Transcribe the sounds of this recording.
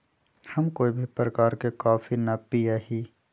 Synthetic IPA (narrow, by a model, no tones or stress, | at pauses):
hɐmkoːibʱipɾəkaːɾkekaːfinɐpiaɦiː